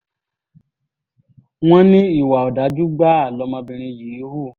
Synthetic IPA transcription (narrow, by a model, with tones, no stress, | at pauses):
w̃ɔ̃˦nĩ˦i˦˨wa˨ɔ˨da˨˦d͡ʒu˦ɡ͡ba˦a˦˨lɔ˧˦mã˧bĩ˧ɾ̃ĩ˧ji˨˦hu˦˨